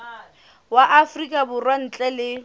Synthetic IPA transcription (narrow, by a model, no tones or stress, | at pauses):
waʔafrikʼabʊrwan̩t͡ɬʼɛlɪ